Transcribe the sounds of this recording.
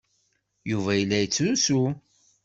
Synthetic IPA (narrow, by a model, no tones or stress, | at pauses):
juvæjəlːæjət͡sːusu